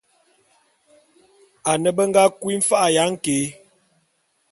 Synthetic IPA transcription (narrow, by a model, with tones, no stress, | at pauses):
a˨nə˨bə˦ŋ˦ɡa˦kwi˦m̩˦fa˦ʔa˨ja˨˦ŋ̩˦ke˨˦